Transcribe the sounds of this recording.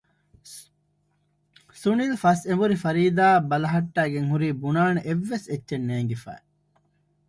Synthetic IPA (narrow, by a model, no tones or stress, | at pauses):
sunilfɐsemuɾifɐɾiːd̪aːbɐlɐɦɐʈːæːɡeŋhuɾiːbunaːneʔeʋːesetːʃenːeːŋɡefæ̰ːe